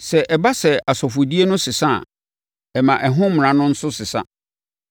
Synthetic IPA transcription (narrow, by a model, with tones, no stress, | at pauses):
sɛ˨ʔɛ˨ba˦sɛ˨a˨sɔ˨fʊ˨di˦e˦nʊ̃˦sɪ˨sa̰˦˨ | ɛ˨mã˨ʔɛ˨ɦʊ̃˦m˨ã˨nʊ̃˦n̩˦sʊ˦sɪ˨sa̰˦